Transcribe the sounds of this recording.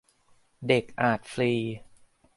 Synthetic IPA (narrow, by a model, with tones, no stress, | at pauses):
de˨˩k̚ʔaː˨˩t̪̚fliː˧